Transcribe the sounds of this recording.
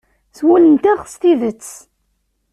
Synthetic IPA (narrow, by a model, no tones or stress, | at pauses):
swulənt̪æʁst̪iðət͡sː